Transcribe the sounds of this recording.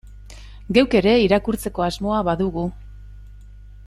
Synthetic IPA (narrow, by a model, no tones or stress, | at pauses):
ɡe̞wke̞ɾe̞iɾakuɾt͡se̞ko̞azmo̞aβaðuɣu